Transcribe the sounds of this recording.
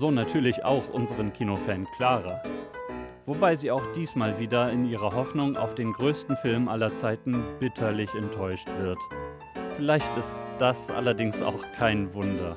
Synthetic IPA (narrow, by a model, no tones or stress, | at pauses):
z̥oːnatʰyːɐlɪça̰ʊxʔʊnzəʁ̞ənkʰiːnofɛːnkʰl̥aːʁɐ | v̥obaɪziːaʊxd̥iːsmaːlviːdɐɪniːʁ̞ɐɦɔfnʊŋʔa̰ʊfd̥eːnɡʁøːstn̩fɪlmʔalɐt͡saɪtn̩b̥ɪtʰɐlɪçɛntʰːɔʏʃtv̥ɪɐt | fɪlaɪçtɪstd̥asʔa̰lɐdɪŋsa̰ʊxkʰaɪnvʊndɐ